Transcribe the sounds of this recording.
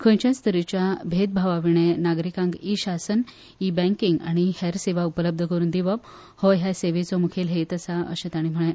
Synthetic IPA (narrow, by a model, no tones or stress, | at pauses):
kʰõjt͡ɕjast̪ʰəɾit͡ɕjabʱed̪̚bʱaʋaʋiɳẽnaɡɾikãŋɡiɕasən | ibɛ̃ŋkiŋɡa̰ɽ̃ihɛɾseʋaupələb̚d̪ʱəkəɾuːnd̪iʋəp | hoɦjaseʋet͡sɔmukʰelɦejt̪əsaə̰ɕẽt̪aɽ̃im̤əɭẽ